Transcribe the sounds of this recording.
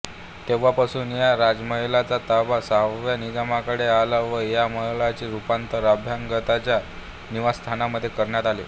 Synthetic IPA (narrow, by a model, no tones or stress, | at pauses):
t̪eʋ̤apasuːnjaɾad͡zməɦilat͡sat̪aʋasaʋjanid͡zamakəɽealaʋəjaməɦlat͡ɕiːɾupant̪əɾabʱjaŋɡət̪at͡ɕja | niʋast̪ʰanaməd̪ʱːjekəɾɳjat̪alḛ